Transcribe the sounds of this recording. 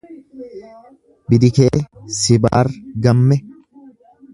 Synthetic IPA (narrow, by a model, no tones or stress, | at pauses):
bɪd̪ɪkeːsɪba̰ːrɡɐmːɛ